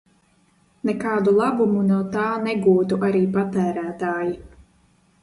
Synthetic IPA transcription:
nɛkaːd̪ulˠabumunoːt̪aːnɛɡuːt̪uʔaɾiːpat̪æːɾæːt̪aːji

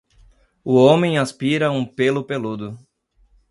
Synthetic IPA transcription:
ʊõmẽj̃aspiɾɐũpelʊpelud̪ʊ

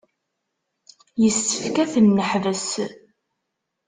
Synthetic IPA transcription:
jəsːə̥fkæθənːəħvəs

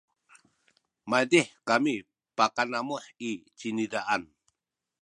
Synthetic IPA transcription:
majdiħkami | pakanamuħit͡ʃinidaʔan

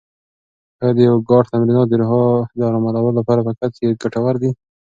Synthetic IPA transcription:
had̪əjawɡɑʈt̪amɾinɑd̪əɾʊɦɑd̪ɾɑmalawəlapɑɾapəkat͡skeɡaʈawaɾd̪i

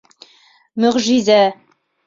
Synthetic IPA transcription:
mɵʁʒizæ

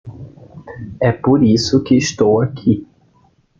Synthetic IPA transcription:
ɛpoɾisʊkɪːʃt̪owakʰi

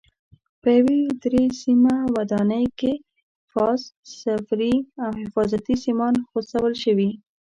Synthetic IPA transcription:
pəjawed̪ɾesimawad̪ɑnəjke | fɑssafɾiawhɪfɑzat̪isimɑnxosawəlʃəwi

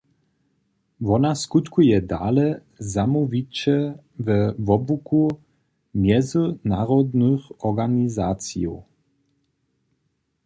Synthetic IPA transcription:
vɔnaskut̪kujɛd̪a̰ːlɛ | zamuvit͡ʃɛ | vəvɔbuku | mjɛzunaʁɔd̪nuxɔʁɡanizaːt͡sḭɔ

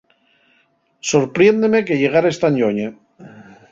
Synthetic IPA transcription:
soɾpɾjend̪emekeʎeɣ̞aɾaest̪aɲoɲe

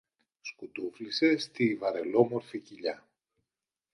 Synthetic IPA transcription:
skut̪uflise̞st̪ivɐɾe̞lo̞mo̞ɾficiʎɐ

